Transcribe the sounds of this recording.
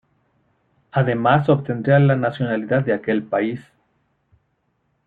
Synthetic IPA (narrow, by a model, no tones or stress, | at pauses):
aðe̞maso̞βt̪e̞nd̪ɾealanasjo̞naliðaðːeake̞lpais